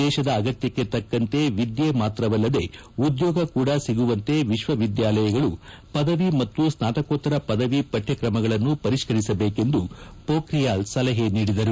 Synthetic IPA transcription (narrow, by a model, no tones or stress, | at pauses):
ɛːʃɐd̪ɐːɡɐt̪jɐkːe̞t̪ɐkːɐnt̪e̞ʋid̪jeːmaːt̪ɾɐʋɐlːɐd̪e̞ | ud̪jɔːɡɐkuːɽɐsiɡuʋɐnt̪e̞ʋiʃʋɐʋid̪jaːlɐjɐɡɐɭu | pɐd̪ɐʋimɐt̪ːusnaːt̪ɐkoːt̪ːɐɾɐpɐd̪ɐʋipɐʈʰjɐkɾɐmɐɡɐɭɐnːupɐɾiʃkɐɾisɐbeːke̞nd̪u | poːkɾijaːlsɐlɐɦeniːɽid̪ɐɾu